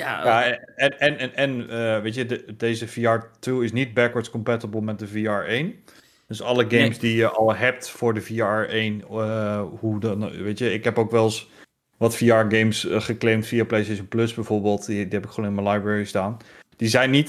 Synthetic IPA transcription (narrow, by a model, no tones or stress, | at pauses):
jaɛɛnʔɛnəʋejtjəddejzəfiaɹtʰɪwɪsnit̚bɛkwəɹtskɔmpɛtəbəlˠmɛt̚dəviɑɹejn | d̥øsɑləɡejmsdijəʔɔlˠɦɛp̚tfʊːɹdəviaɹeːn | hudnʋejtjəɪkɦɛpokʋɛlˠs | ʋɔtfiaːɹɡejmsχəklɪmtfiaplejstejʃənpløsbɛjvoːɹbeːlˠtdiɦɛpɪkχʋonɪnmənlajbɹɛɹistaːnd̥izɛjnːit